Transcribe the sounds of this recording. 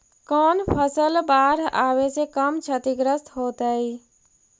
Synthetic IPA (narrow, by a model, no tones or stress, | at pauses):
kɔːnpʰəsəlbaːɾaːʋesekəmt͡ʃʰət̪ɪɡɾəst̪ɦoːt̪aiː